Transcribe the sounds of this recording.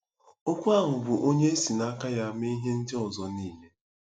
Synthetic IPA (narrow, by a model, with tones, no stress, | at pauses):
o˦kʷʊ˦a˦˨ŋʊ˨bʊ˨ʔo˦ɲe˦e˦si˨na˦ka˦ja˦mi˦ɦe˦n̩˦dɪ˦ɔ˨zɔ˨niː˦ɦe˦